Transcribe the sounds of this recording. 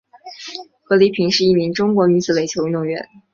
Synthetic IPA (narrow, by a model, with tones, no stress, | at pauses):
xɤ˧˥li˧˥pʰi˧˥ŋʂɻ̩˥˧i˥˩mi˧˥ŋʈ͡ʂʊ˥ŋkwɔ˧˥y˧˥sʰɹ̩˧˥le˨˩ɪt͡ɕʰjo˧˥ʊy˥˧nt̪ʊ˥˩ŋɥɛ̰˧˥˦n